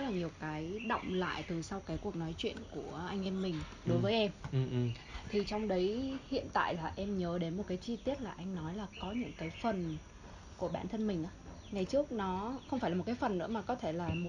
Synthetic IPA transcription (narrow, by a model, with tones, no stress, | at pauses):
laː˨˩ɲi˨˩əwkaː˨˦jɗə̰˧˨wŋ͡mla̰ː˧˨jt̪ɨ˨˩sa˧wkaː˨˦jku˨˩ək̚nɔ˨˦jt͡ɕwḭ˧˨ənku˧˩əʔa˧jŋ̟ʔɛ˧mmːï˨˩ŋ̟ | ɗo˨˦jvəː˨˦jʔɛ˧m | t̪ʰi˨˩t͡ɕɔ˧wŋ͡mɗə˨˦jhḭ˧˨ənt̪a̰ː˧˨jlaː˨˩ʔɛ˧mɲəː˨˦ɗe˨˦nmo˨˩t̚kaː˨˦jt͡ɕi˧t̪i˦˥ət̚laː˨˩ʔa˧jŋ̟nɔ˨˦jlaː˨˩kɔ˨˦ɲɨ̰˧˥ŋkaː˨˦jfə˨˩n | ku˧˩əɓa̰ː˧˩nt̪ʰə˧nmï˨˩ŋ̟ʔaː˨˦ | ŋa˨˩jt͡ɕɨ˦˥ək̚nɔ˨˦xə˧wŋ͡mfaː˧˩jlːt̚kːaː˨˦fə˨˩nːɨ̰˧˥əmaː˨˩kɔ˨˦t̪ʰe˧˩laː˨˩m˨˩